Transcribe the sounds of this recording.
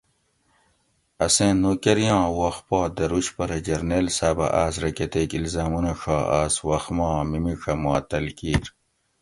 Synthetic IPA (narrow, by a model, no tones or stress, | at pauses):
ɐsẽːnːoːkeɾjɑ̃ːwɐxpɑːd̪ɐɾuɕpɐɾɐd͡ʑɐɾnelsaːbɐ̰ʔaːsɾɐket̪eːkilzaːmunɐʂaːʔaːswɐxmɑ̃ːmimiʂɐmaːt̪ɐlkiːɾ